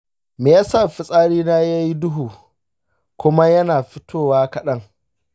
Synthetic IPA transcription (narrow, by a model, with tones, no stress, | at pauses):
meː˨jaː˦sa˦˨ɸɪ˦sʼaː˦ɽiː˦naː˦ja˦ji˦dʊ˦ɦuː˨ | kʷʊ˦ma˦jɐ˦naː˨ɸɪ˦tʰoː˦˨waː˦kɐ˨ɗɐ˦ŋ